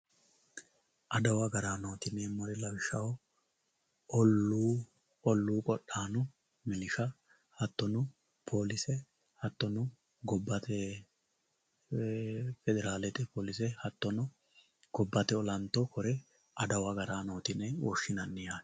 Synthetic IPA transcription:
ʔɐd̪ɐwɐɡɐɾaːno̞ːt̪ɪnːɛmɐɾɛlɐwɪʃɐw | ɔu | ɔlːuːkʼɔɗːaːnʊ | mɪlɪʃɐ | hɐt̪ːɔnʊ | pʰoːlɪsɛ | hɐt̪ːɔnʊ | ɡɔbːɐt̪ɛ | fɛd̪ɛɾaːlɛt̪ʼɛpoːlɪsɛhɐt̪ːɔnʊ | ɡ̥ɔbːɐt̪ɛɔlɐnt̪ːɔkɔɾɛ | ʔɐd̪ɐwɐɡɐɾaːno̞ːt̪ɪnːɛwɔ̰ʃːɪnɐnːɪjaː

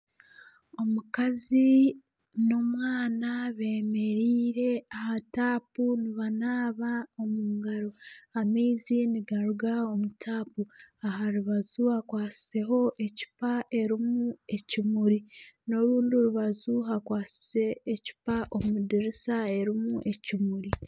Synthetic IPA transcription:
o̞mukazi | no̞mwaːnaβe̞ːme̞ɾiːɾe̞ahataːpuniβanaːβao̞muːŋɡaɾo̞ameiziniɡaɾuɡao̞mutʰaːpuaɦaɾuβazuhakwaːsi̥se̞ɦo̞ʔe̞ci̥paʔe̞ɾimue̞cimuɾino̞ɾuːndioɾuβazuɦakwaːsi̥se̞ːci̥paʔomudiɾisae̞ɾimuʔe̞cimuɾi

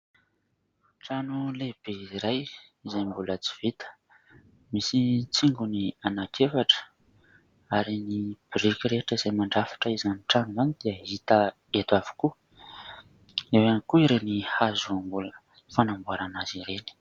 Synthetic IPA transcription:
ʈ͡ʂanuleb̥eiɾaj | izajmbulət͡si̥v̥it̪ə̥ | misit͡siŋɡunianakʰefaʈ͡ʂə̥ | aɾinib̥irikʲiɾeʈ͡ʂəizejmaɳɖ͡ʐafḁʈ͡ʂəizaniʈ͡ʂanuzanid̪̥iəɦit̪ə | et̪av̥u̥ku | ewanikuiɾenihazuambulə | fanambuaɾanaziɾeni̥

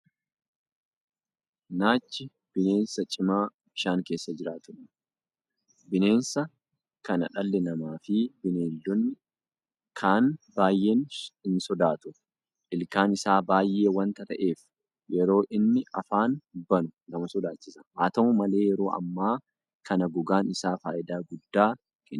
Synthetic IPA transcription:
naːt͡ʃːɪ | b̥ɪne̞ːnsɐt͡ʃʼɪmaː | bɪʃaːŋke̞ːsːɐd͡ʒɪɾaːt̪ʊn | bɪne̞ːnsɐ | kɐnɐᶑɐlːɛnɐmaːfɪbɪneːld̪ɔnːɪ | kʰaːnbaːjːeːnhɪnsɔd̪aːt̪ʊ | ʔɪlkaːnɪsaːbaːjːeːwɐnt̪ɐt̪ɐʔe̞ːf | jɛɾo̞ːʔɪnːɪɐfaːnbɐnʊɡɐmɐsɔd̪aːt͡ʃːɪsɐhaːt̪ɐmʊmɐle̞ːjɛɾo̞ːʔɐ̰mːaː | kɐnɐɡʊɡaːnɪsaːfaːʔɪd̪aːɡʊd̪ːaː | kʼɪ

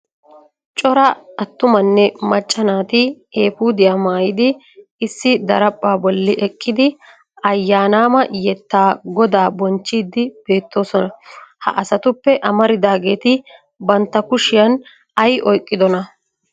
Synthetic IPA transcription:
t͡ʃʼɔɾɐɐt̪ːʊmɐnːɛmɐt͡ʃʼːɐnaːt̪ɪ | eːfuːd̪ɪjaːmaːjɪd̪ɪː | sːɪd̪ɐɾɐpʼːaːbɔlːɪʔɛkʼːɪd̪ɪ | ɐjːaːnaːmɐjɛt̪ːaːɡɔd̪aːbɔnt͡ʃːiːd̪ɪb̥e̞ːt̪ːo̞ːsɔnɐhɐ̰ʔɐsɐt̪ʊpːɛʔɐmɐɾɪd̪aːɡe̞ːt̪ɪ | bɐnt̪ːɐkʊʃɪjɐn | ɐjʔɔjkʼːɪd̪ɔnɐ

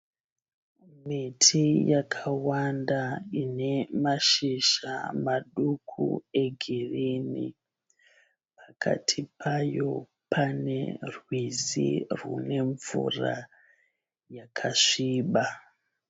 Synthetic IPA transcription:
mitʰijakʰawandaine̞maʃiʃa̰maɗukʰṵe̞ɡʱirinḭ | pḁkʰa̰tʰipʰajo̞ | pʰanerwizḭrṵne̞ɱvṵra̰ | jakʰaʂiːɓa

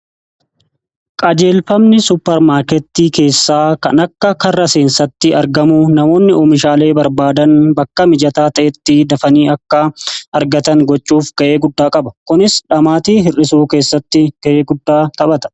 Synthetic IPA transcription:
kʼɐd͡ʒe̞ːlfɐmnɪsʊpːɛɾmaːɾkɛt̪ːiːke̞ːsːaːkɐ̰nɐkːɐkɐrːɐseːnsɐt̪ːɪɐɾɡɐmʊnɐmo̞ːnːɪʔɔːmɪʃaːle̞ːbɐɾbaːd̪ɐnbɐkːɐmɪd͡ʒɐt̪aːt̪ɐʔɛt̪ːɪd̪ɐfɐniːɐkːɐʔɐɾɡɐt̪ɐŋɡɔt͡ʃːuːfɡ̥ɐʔe̞ːɡʊd̪ːaːkʼɐbɐ̥kʊnɪsᶑɐmaːt̪iːɦɪrɪsuːke̞ːsːɐt̪ːɪɡ̥ɐʔeːɡʊd̪ːaːt̪ɐbɐt̪ɐ̥

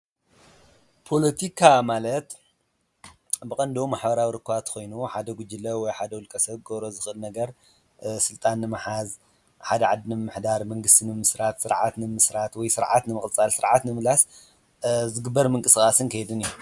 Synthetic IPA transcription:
pʰo̞lɐt̪ʰikʰamalɐt̪ | bɨkʼɐnd̪omaħbɐɾawiɾɨkʰːɨwat̪kʰo̞jnuħad̪ɐɡʷud͡ʒɨlɐwɔjħad̪ɐwulkʼɐsɐβɡoβɾo̞zɨxʔɨlnɐɡɐɾ | sɨlt̪ʼanːɨmaħaz | ħad̪ɐʕad̪ːinɨmːɨħd̪aɾmɐŋɡɨst̪ʰinɨmɨsɾat̪sɨɾʕa̰t̪nɨmɨsɾat̪wɔjsɨɾʕa̰t̪nɨmɨχʼt͡sʼalsɨɾʕat̪nɨmɨlas | zɨɡɨbːɐɾmɨŋkʼɨsɨkʼasɨnkʰɐjd̪ɨnijːu

